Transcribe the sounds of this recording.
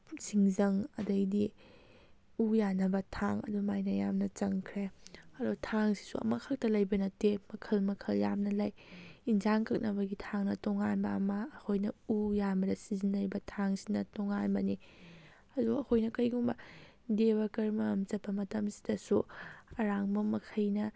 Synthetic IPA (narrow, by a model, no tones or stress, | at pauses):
siŋzɐŋɐdɐjdi | ujanɐbɐtʰaŋɐ̰dumajnɐjamnɐt͡ʃɐŋkʰɾeɐdutʰaŋsi̥suɐ̰mɐkʰɐk̚tɐlɐjbɐnɐtemɐkʰɐlmɐkʰɐljamnɐlɐjinzaŋkʰɐk̚nɐbɐɡitʰaŋnɐtɔŋanbɐːmɐːkʰojnɐujamɐdɐsizinːɐjbɐtʰaŋsinɐtoŋanbɐni | ɐduɡɐɐkʰojnɐkɐjɡuŋbɐ | deβɐkɐɾmɐɐmt͡ʃɐpːɐmɐtɐmsi̥dɐsuɐɾaŋbɐmɐkʰɐjnɐ